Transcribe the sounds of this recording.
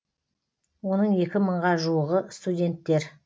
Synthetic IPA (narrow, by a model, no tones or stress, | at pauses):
wo̞nəɴe̞kʲɪməɴʁɑʒuwəʁəst̪udʲe̞nt̪ːe̞ɾ